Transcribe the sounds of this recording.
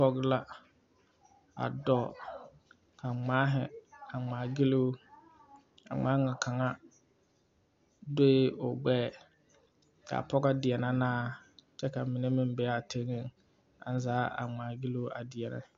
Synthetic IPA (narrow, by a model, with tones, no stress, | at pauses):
pɔ˦ɡla˦ | a̰˨dɔ˦˨ | kʰa˨ŋ͡maː˨˦ɦɪ˨a˨ŋ͡maː˨ɡi˦lu˦ | a̰˨ŋ͡maː˨˦ŋa˨kʰa˨ŋa˦ | do˦e˦ʊ˨ɡ͡bɛː˦˨ | ka̰˨pɔ˦ɡa˦dɪ˨ɛ˨na˦naː˦t͡ʃɛ˦ka˨mɪ˨ne˦mɪ˨m˦bɛ˨˦a˦˨tʰe˦ŋɪ˦ŋ | a̰˨n˦zaː˨˦a̰˨ŋ͡maː˨ɡi˦lu˦a˨dɪ˨ɛ˨na̰˦˨